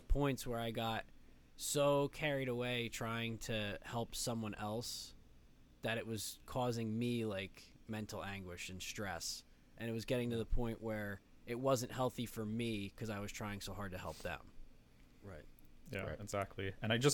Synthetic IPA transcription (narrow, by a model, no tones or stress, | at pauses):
pʰɔ̃ɪ̃ntswə˞aɪɡɑt̚ | soʊkʰɛɹiɾəweɪtʰɹ̥aɪɪ̃ŋtʰɨhɛlˠpsʌ̃mwʌ̃nʔɛlˠs | ðɨɾɨʔ̚wʌz̥kʰɔzɪ̃ŋmilaɪk | mɛ̃ntʰˡl̩ˠæ̃ŋɡwɪʃɨ̃nstɹ̥ɛ̰s | ʔɨ̃ñɨt̚wʌzɡɛɾɪ̃ŋtɨðəpʰɔ̃ɪ̃nʔwə˞ɨt̚wʌzɨ̃nʔhɛlˠθifə˞mikʰʌzaɪwʌz̥tʰɹ̥aɪɪ̃ŋsoʊɦɑɹd̚tɨhɛ̰lˠp̚ðɨ̰̃m | ɹa̰ɪt̚jæ̰ɪɨɡzæk̚tʰˡliɨ̃ñaɪd͡ʒʌs